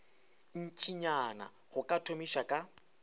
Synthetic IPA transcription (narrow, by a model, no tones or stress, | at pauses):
n̩t͡ʃʼʰiɲana̰ | ɣʊkʼatʰomiʃakʼa